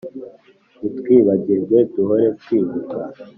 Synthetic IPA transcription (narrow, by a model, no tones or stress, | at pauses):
ut̪kwiːβaɟizetuɦoɾet̪kwiːβuka